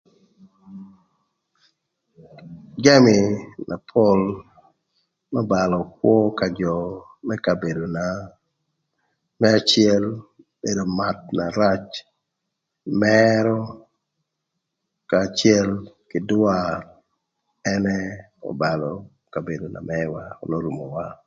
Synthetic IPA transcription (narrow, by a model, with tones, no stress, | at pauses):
ɡa˦mi˨nʔa̰˨pʰo˦l | mɛ˦ba˨lɔ˨k̚wɔ˦ka˨d͡ʒɔ˨ | mɛ˦ka˨be˨do˨na˨ | mɛ˦a˨t͡ʃɪɛ˦l | be˨do˨ma˨t̚na˨ɾa˦t͡ʃ | mɛɾɔ˦ | ka˨t͡ʃɛ˦lkɪdwa | ɛnɛ˦ | ɔ̰˨ba˨lɔ˨ | ka˨be˨do˨na̰˨mɛwa˦o̰˨no˦ɾu˨mo˨wa˦